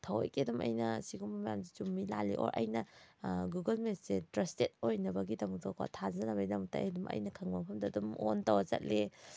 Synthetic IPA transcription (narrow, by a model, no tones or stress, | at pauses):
tʰɐwa̰jkedumʔɐ̰jnɐsiɡumɐmajamsi̥t͡ʃumːilalḭʔo̰ɾʔɐ̰jnɐɡuɡɐlmessetɾɐstet̚ojnɐbɐɡidɐmuk̚tɔka̰tʰazɐnɐbɐidɐmuk̚ta̰jhadumʔɐ̰jnɐkʰɐŋmɐpʰɐmdɐdumontɐwɐzɐ̰t̚le